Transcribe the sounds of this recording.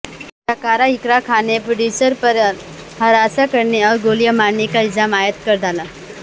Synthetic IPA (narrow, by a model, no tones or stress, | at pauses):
səkaɾaikɾakʰanepɾoɽjusəɾpəɾ | həɾasakəɾɳeɔɾɡoljəmanikaɪld͡zamajət̪kəɾd̪ʱala